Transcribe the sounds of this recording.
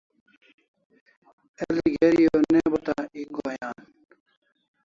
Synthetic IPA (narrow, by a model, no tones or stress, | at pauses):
eliɡeɾijoːnebɐt̪aiɡoːjaːn